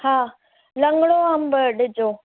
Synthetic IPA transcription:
haː | lɐŋɡɽoːɦɐmbəɖɪd͡ʒoː

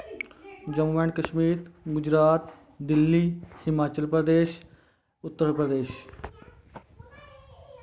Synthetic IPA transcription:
d͡ʒəmuʋɛ̃ɳkəʃmiːt̪ɡʊd͡ʒɾaːt̪ | d̪ɪlːiːhɪmaːt͡ʃəlpɾəd̪eːʃ | ʊt̪ːəɾpɾəd̪eːʃ

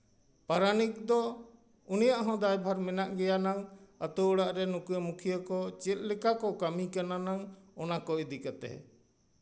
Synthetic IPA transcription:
paɾanik̚d̪ɔ | unijaʔɦɔ̃d̪ajbʱaɾmɛnaʔɡɛjanaŋat̪uːɽaʔɾɛnukujəmukʰijəkɔt͡ʃɛt̪̚ˀlɛkakɔkamikananaŋɔnakɔid̪ikat̪ɛ̰

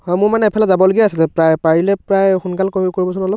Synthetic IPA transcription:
hɔjmʊɹmanɛɛpʰɛlazabɔloɡiasilɛpɹajpaɹilɛpɹajxunkalkokoɹibɔsɔnɔlɔp̚

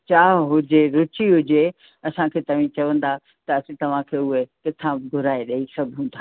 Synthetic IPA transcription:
t͡ɕaːɦɦʊd͡ʑeɾʊt͡ɕiɦʊd͡ʑe | ɐsãkʰeːt̪ɐʋ̤ĩt͡ɕɐʋə̃nd̪a | t̪ɐɐsĩt̪ɐʋ̤ãkʰeːʊɦekɪt̪ʰãɡʱʊɾaːeɗɐisɐbʱũnd̪ʱaː

